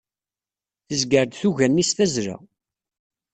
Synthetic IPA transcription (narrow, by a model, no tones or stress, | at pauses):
θəzɡəɾd̪θuʝænːisθæzɾa̰